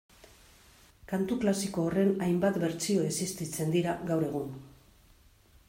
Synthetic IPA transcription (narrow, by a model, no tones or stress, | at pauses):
kant̪uklasiko̞ːre̞najmbat̪be̞ɾt͡sio̞esist̪it͡se̞nd̪iɾaɣawɾe̞ɣ̞un